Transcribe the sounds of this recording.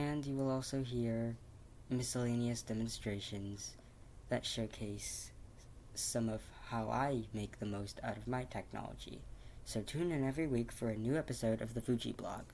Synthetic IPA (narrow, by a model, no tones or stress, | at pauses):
ɨ̃njɨwəlˠɔlˠsoʊɦiɹ | mɪsəlẽɪ̃niɨsd̥ɛmɨ̃n̩stɹ̥eɪʃɨ̃nz̥ | ðɨtʃoʊkʰeɪs | ʌ̃mʌv̥haʊʔa̰ɪmeɪk̚ðɨmoʊstʰa̰ʊɾʌvmaɪtʰɛk̚nɑ̰lˠə̰d͡ʒḭsoʊtʰʉ̃nɨ̃nɛvɹiwikfə˞ɨnʉɛpɨsoʊɾʔʌvðɨfʉd͡ʒḭblɑ̰ɡ̥